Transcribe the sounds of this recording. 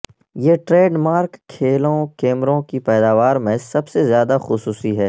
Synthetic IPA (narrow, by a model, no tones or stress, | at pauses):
jeːʈɾeːɖmaːɾkʰːeːlõkeːmɾõkipɛːd̪aːʋaːɾmẽsɐbsezjaːd̪axʊsuːsiɦɛː